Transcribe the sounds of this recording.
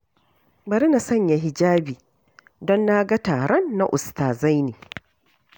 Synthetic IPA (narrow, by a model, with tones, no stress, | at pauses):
bɐ˨ɾi˦na˨sɐ˦˨ɲja˨ɦɪ˨d͡ʒaː˦biː˨ | dɔ˦nːa˦ɡa˦taː˨ɾɔ˦nːa˦ʔʊ˨staː˨za˦jniː˨